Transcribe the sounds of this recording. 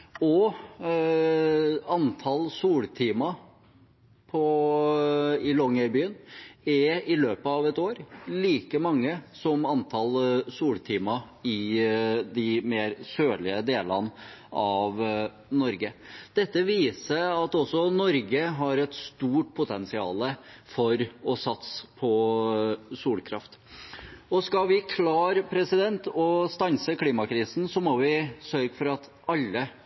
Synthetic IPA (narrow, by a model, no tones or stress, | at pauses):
ɔ | ɑnt̪ʰɑlsuːlt̪ʰiːmɑ | pʰɔ | ɪlɔŋəɾbyːənɛɾɪløːpəɑʋɛt̪oːɾliːkəmɑŋːəsɔmɑnt̪ʰɑlsuːlt̪ʰiːmɑ | ɪ | d̪ɪmeːɾsøːɭɪəd̪eːlə̰nɑʋ | nɔɾɡəd̪̥ɛt̪ːəʋiːsəɾɑt̪ɔsːɔnɔɾɡəɦɑɾɛt̪st̪uːʈ̚pʰʊt̪ʰɛnsɪɑ̰ːləfɔɾɔsɑt̪spʰɔ | suːlkʰɾɑft̪ | ɔskɑʋɪkʰlɑːɾpʰɾɛsɪd̪ɛnt̪ɔst̪ɑnsəkʰliːmɑkʰɾiːsn̩sɔmɔʋɪsœɾɡfɔɾɑt̪ | ɑlːə